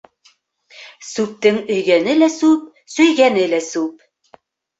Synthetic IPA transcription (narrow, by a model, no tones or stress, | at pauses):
sʉp̚t̪ɘŋɵ̆jɡænɘlæsʉp̚ | sɵ̆jɡænɘlæsʉp̚